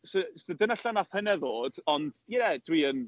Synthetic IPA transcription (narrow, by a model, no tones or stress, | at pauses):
səsədənaɬanaθhənɛðoːd̥ɔnd̥jɛɛd̥wiən